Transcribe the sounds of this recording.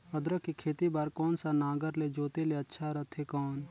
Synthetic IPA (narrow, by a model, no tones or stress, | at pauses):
əd̪ɾəkikʰeːt̪ibaːɾkɔːnsanaːɡəɾled͡ʒoːt̪eleɐtːʃʰaɾət̪ʰekɔːn